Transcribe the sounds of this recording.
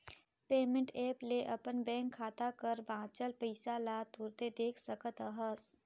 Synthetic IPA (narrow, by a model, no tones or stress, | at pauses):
peːmə̃ɳʈeːpleʔɐpənbɛ̃ːŋkʰːaːt̪akəɾbãːt͡ʃəlpəɪsalaːt̪uɾt̪ed̪eːkʰsəkət̪əɦəs